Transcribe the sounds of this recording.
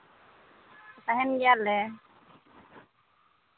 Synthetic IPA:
t̪aɦɛnɡɛjalɛ

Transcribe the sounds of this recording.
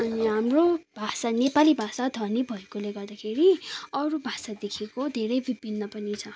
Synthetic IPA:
ʌniɦamrob̥ʱasanepalibʱasad̪ʱʌrnibʱʌekoleɡʌrd̪akʰeɾiʌɾubʱasad̪ekʰekod̪ʱeɾʌjbibʱinːʌpʌnit͡sʰʌ

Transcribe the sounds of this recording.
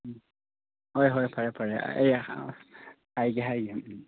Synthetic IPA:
hɔjɦɔjpʰaɹɛpʰaɹɛḛj | ajɡɛɦajɡa

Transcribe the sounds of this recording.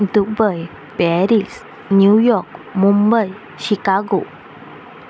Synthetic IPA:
dubəj | pɛɾis | njujɔk̚mumbəj | ɕikaɡo

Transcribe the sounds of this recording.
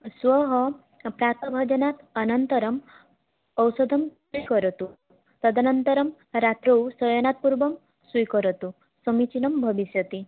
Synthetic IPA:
swɔɦɔ | pɾat̪ɔbʱɔd͡ʒɔnat̪ɐnɔnt̪ɔɾɔm | ɔwsɔd̪ʱɔmswikɔɾɔt̪u | t̪ɔd̪ʱanɔnt̪ɔɾɔm | ɾat̪ɾɔwsɔjɔnat̪̚puɾbɔm | swujkɔɾɔt̪u | sɔmit͡ʃinɔmbʱɔbisjɔt̪i

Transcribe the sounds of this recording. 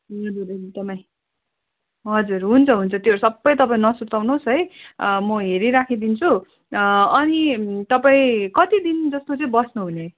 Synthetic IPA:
ɦʌd͡zuɾeit̪ʌpaj̃ | ɦʌd͡zurɦunt͡sʰʌɦunt͡sʰʌt̪joʌɾusʌbːʌjt̪ʌpaĩnʌsuɾt̪awnosɦʌjmʌɦeɾiɾakʰid̪int͡sʰu | ʌnit̪ʌpaĩkʌt̪id̪ind͡zʌst̪ot͡sʌĩbʌsnuɦune

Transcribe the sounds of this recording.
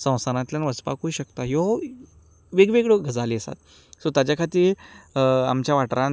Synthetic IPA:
sə̃w̃saɾãt̪ljanʋəd͡zpa̰kuiɕəkt̪aɦjo | ʋeɡʋeɡɭəɡʱəd͡zaliəsa̰t̪ | sot̪ad͡ʑjakʰat̪iːɾ | a̰mt͡ɕjaʋaʈɾãn

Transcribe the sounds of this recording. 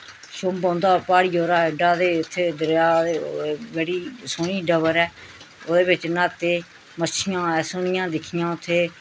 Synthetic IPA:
ʃʊmbãːnd̪aːpaːɽiːoːɾaːɪɖaːd̪eːɪt̪ʰːeːd̪əɾjaːd̪eʋɛːɽiːsoːniːɖəʋəɾɛː | oːd̪eːbɪt͡ʃnaːt̪eː | mət͡ʃɪjãːɛːsoːnɪjãːd̪ɪkʰɪjãːʊt̪ʰːeː

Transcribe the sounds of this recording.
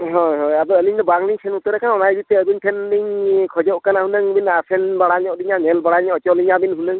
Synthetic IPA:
ɦɔjɦɔjad̪ɔəliɲdɔbaŋniɲsʰɛnut̪ɔɾɛkʰanɔnajbit̪ɛəɡuntʰɛnːiɲkʰɔd͡ʒɔʔkanahunɯŋbinasʰɛnbaɽaɲɔʔdiɲanɛlbaɽaɲɔɔt͡ʃɔliɲabinɦunɯŋ

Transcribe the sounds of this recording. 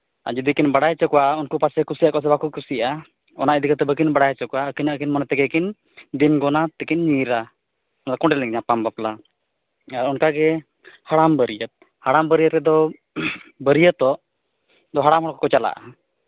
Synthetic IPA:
a̰d͡ʒud̪ikinbaɽajt͡ʃɔkɔwaunkupasɛkusijakɔs̬ɛbakukusiʔa | ɔ̰naʔid̪ikat̪ɛbəkinbaɽajt͡ʃɔkɔwaəkiɲaʔkinmɔnɛt̪ɛɡɛkin | d̪inɡɔnat̪ɛkiɲɲiɾa | ɔnd̪akɔɳɖɛlɛŋɲapambapla | aɾɔnkaɡɛ | haɽambəɾijət̪̚ | haɽambəɾijət̪ɾɛd̪ɔ | bəɾijət̪ɔʔ | d̪ɔɦaɽamɦɔ̃kɔkɔt͡ʃala̰ʔa̰

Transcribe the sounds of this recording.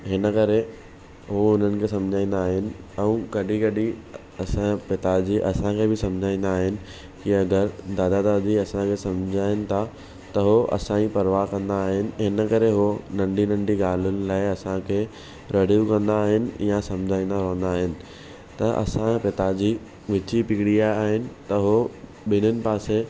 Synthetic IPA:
ɦɪnəkɐɾe | ɦoʊn̤ənɪ̆kʰeːs̬ɐ̃md͡ʑʱaːĩːnd̪aːɦɪnɪ̆ɛ̃ũɡɐɗiɡɐɗi | ɐsãpɪt̪ad͡ʑiʔɐsãkʰeːbɪsɐ̃md͡ʑʱaːĩːnd̪aːɦɪnɪ̆ | kiɐɡəɾd̪aːd̪ad̪aːd̪iɐsãkʰeːsɐ̃md͡ʑʱaːɪnɪ̆t̪ʰa | t̪ɐɦoʔɐ̰sãĩpɐɾʋakɐ̃nd̪aːɦɪnɪ̆ɦɪnəkɐɾeɦonɐ̃ɳɖinɐ̃ɳɖiɡaːl̤ʊnɪ̆laːɪɐsãkʰeː | ɾeːɖijukɐ̃nd̪aːɦɪnɪ̆jãsɐ̃md͡ʑʱaːĩːnd̪aɾɐɦə̃nd̪aːɦɪnɪ̆ | t̪ɐʔɐ̰sãpɪt̪ad͡ʑiː | ʋɪt͡ɕipɪkɽiaːiaːɦɪnɪ̆t̪ɐɦo | ɓɪnʊnɪ̆paːse

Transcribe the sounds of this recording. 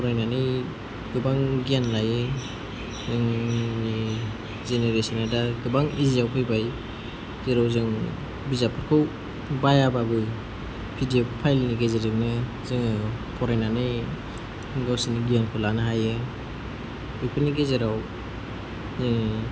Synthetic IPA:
pʰɔɾajnanɯj | ɡɯbaŋɡijanlajɯ | zɯŋni | zeneɾesɔnadaɡɯbaŋizijawpʰɯjbaj | zeɾawzɯŋ | bizapʰɯɾkʰɯw | bajababɯ | pʰidieppʰajlniɡezeɾɯknɯ | zɯŋpʰɔɾajnanɯj | ɯŋɡawsiniɡijankʰɯwlanɯɦajɯ | ɔjpʰɯniɡezeɾaw | zɯŋ

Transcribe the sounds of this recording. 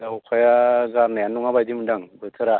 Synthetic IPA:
daukʰʷajaɡaɾnajanuŋabadimudaŋbətʰəɾa

